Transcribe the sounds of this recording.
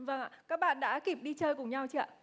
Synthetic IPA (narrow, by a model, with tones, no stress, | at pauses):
və˨˩ŋa̰ː˨˩kaː˦˥k̚ɓa̰ː˧˨nɗa̰ː˧˥ki˨˩p̚ɗi˧t͡ɕəː˧jkʊ˨˩ŋɲa˧wt͡ɕḭ˧ʔə˧˨